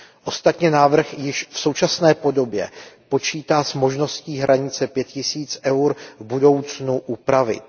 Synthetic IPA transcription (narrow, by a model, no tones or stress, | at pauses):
ʔo̞st̪at̪ɲɛnaːvr̩xjɪʃfso̞wt͡ʃasnɛːpo̞do̞bjɛ̰po̞t͡ʃiːt̪aːsmo̞ʒno̞sciːɦɾʔaɲɪt͡sɛpjɛt̪cɪsiːt͡sʔɛwɾvbudo̞wt͡snuʔupɾavɪ̰t̪